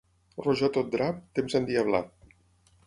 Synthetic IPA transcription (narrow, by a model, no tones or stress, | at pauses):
roʒat̪od̪ɾap̚t̪emzand̪iaβla̰t̪̚